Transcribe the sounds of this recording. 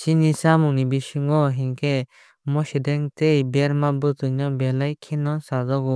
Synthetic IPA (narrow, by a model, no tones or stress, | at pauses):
t͡ʃinisamunibiʃiŋɡɔɦiŋkɛ | mɔʃdɛŋt̪ejbɛɾmabɯt̪ɯɲɔbɛlajkʰinɔsazɔɡu